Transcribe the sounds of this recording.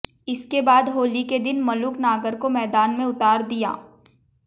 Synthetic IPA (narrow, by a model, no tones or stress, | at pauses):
ɪskebaːd̪ɦoːliked̪ɪnmɐlʊknaːɡəɾkomɛːd̪aːnmẽʊt̪aːɾd̪ija̰ː